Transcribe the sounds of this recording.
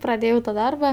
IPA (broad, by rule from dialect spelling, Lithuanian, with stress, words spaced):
prɐˈdʲeːjɛʊ tɐ ˈdɐrbɐ